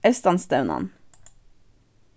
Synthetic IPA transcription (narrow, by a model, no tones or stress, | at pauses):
æʉst̪ɑnst̪ɑʉnʔɑ̰n